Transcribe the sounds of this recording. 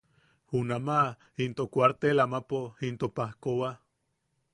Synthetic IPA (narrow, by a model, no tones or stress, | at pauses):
hunama | int̪okʷwaɾt̪elamapoint̪opahkowa